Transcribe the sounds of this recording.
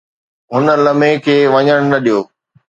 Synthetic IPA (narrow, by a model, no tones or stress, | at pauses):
ɦʊnə̆lɐmẽkʰeːʋɐɲəɽ̃nɐɗijoː